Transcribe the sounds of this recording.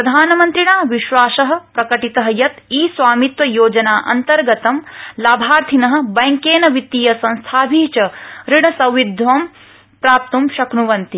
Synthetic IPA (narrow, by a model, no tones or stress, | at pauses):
pɾɐd̪ʱaːnɐmɐnt̪ɾiɳaːʋiʃʋaːʃɐɦɐ̆pɾɐkɐʈit̪ɐɦɐjɐt̪iːsʋaːmit̪ʋɐjoːd͡ʒɐnaːʔɐ̰nt̪ɐɾɡɐt̪ɐmlaːbʱaːɾt̪ʰinɐɦɐ̆bɐŋkeːnɐʋit̪ːijɐsɐ̃nst̪ʰaːbʱiːt͡ʃɐɾiɳɐsɐ̃wʋid̪ʱʋɐm | pɾaːp̚t̪umʃɐknuʋɐnt̪i